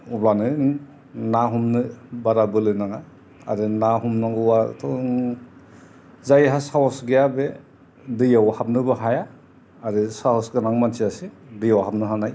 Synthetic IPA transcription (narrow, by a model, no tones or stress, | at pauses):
ublanɯ | naɦumnɯbaɾabɯlɯnaŋa | a̰ɾɯnaɦumnaŋɡɯwa̰tʰɔ | zajɦasawɔsɡejabe | dɯjawhap̚nɯbɯɦajaː | ɾɯsaɦɔsɡɯnaŋmantʰiasidɯjawɦap̚nɯɦanaj